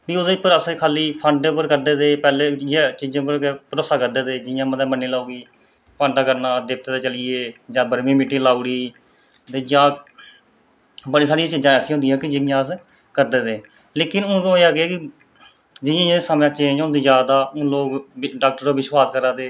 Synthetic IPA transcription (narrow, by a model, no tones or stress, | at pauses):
biːod̪eːpːəɾəskʰaːliːpʰəɳɖepəɾkəɾd̪eːd̪eːpɛːleːd͡ʒat͡ʃiːd͡ʒãːpəɾkːpəɾoːsaːkəɾd̪eːd̪eːd͡ʒɪjãːməd̪amənːeːlaːuːɡiː | pʰə̃ɳɖaːkəɾnãːd̪ɪk̚t̪eːt̪aːt͡ʃəlɪeːd͡ʒãːbəɾmĩːmɪːʈːiːlaːuɽiː | t̪eːd͡ʒãː | bəɽiːsaːɽiãːt͡ʃɪd͡ʒãːəsĩːɦʊ̃nd̪ijɦãːkɪd͡ʒɪjãːs | kəɾd̪eːd̪eː | leːkɪnʊ̃ːt̪õːeaːkeaːkɪ | d͡ʒɪjãːaːeːsamjãːt͡ʃẽːd͡ʒɦõːnd̪iːzjaːd̪aːõːloːkɖaːk̚ʈəɾoːʋɪswaːskəɾaːd̪eː